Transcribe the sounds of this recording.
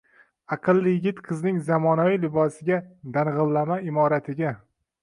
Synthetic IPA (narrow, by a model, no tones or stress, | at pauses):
ɑqʰɨlˠːɪjɪɡʲɪt̪qʰɨznɪŋzamɒnavilɪbɒsɪɡʲad̪anʁɨlˠːamaɪmɒɾat̪ʰɪɡʲa